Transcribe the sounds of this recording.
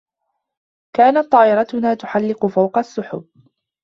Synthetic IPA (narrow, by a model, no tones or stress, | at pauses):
kaːnat̪ˤːɑːʔɪɾˤɑt̪ʊnaːt̪ʊħalːɪqʊfawqɑsːʊħʊb̚